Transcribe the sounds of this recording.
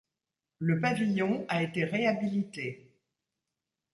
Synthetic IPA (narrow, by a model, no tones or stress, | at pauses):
ləpavijɔ̃aet̪eʁeabilit̪e